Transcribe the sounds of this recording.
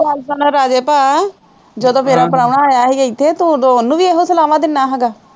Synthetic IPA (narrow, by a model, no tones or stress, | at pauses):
aːlsaːnaːɾaːd͡ʒeːpaː | d͡ʒəd̪õːmeːɾãːpəɽaːnaːjaːɦeːɪt̪ʰːeːt̪ũd̪oʊnːũːʋiːeːɦõːsəlaːʋãːd̪ɪnːaːɦɛːɡaː